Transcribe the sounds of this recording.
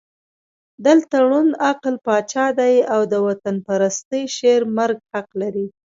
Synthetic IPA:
d̪əlt̪aɽunaqlpɑt͡ʃɑd̪ajawd̪əwat̪anpaɾast̪əjʃeɾmaɾɡhaqlaɾi

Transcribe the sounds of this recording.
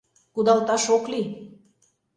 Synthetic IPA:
kud̪ɑlt̪ɑʃokli

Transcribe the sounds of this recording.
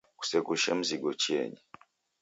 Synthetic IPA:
ku̥sɛkuʃɛm̩ziɡɔt͡ʃiɛ̰ɲi

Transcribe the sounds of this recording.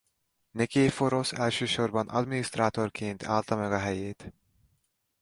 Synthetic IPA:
nekeːfo̞ɾo̞sɛlʃøːʃo̞rbɒnʔɒ̰d̪minist̪raːt̪o̞rkeːnt̪ʰaːlt̪ɒmɛɡɒɦɛjeːt̪

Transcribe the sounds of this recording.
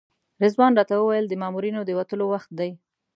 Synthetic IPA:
ɾɪzwɑnɾɑt̪awəwajəld̪əmɑmuɾinod̪əwat̪əlowaxt̪̚d̪aj

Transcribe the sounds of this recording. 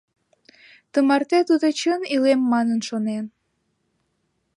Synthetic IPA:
t̪əmɑrt̪et̪ud̪ot͡ɕənilemːɑnənʃonen

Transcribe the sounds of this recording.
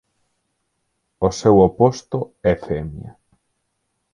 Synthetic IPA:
osewopost̪oɛfemja̰

